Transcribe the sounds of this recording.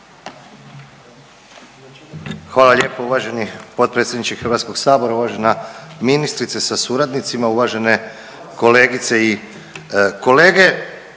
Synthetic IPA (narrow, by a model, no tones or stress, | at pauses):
xʋaːlˠalʲʎeːpouʋaʒe̞nipo̞t̪̚pɾet̪sʲjed̪nit͡ʃixɾʋat̪sko̞ɡsaːbo̞ɾauʋaʒe̞naminist̪ɾit̪sesasuɾad̪nit̪simauʋaʒe̞ne̞ | ko̞le̞ːɡit̪se̞i | ko̞le̞ːɡe̞